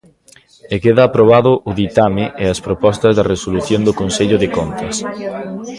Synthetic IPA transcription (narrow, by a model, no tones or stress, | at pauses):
ekeðaːpɾoβ̞aðʊʔʊðit̪amɪʔeɐspɾopɔst̪ɐzðɐresoluθjond̪okonseʎʊðɪkont̪ɐs